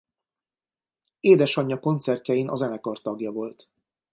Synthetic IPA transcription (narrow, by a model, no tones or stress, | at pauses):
eːd̪ɛʃɒɲːɒko̞nt̪sɛrcɒjinʔɒzɛnɛkɒrt̪ɒɡjɒvo̞lt̪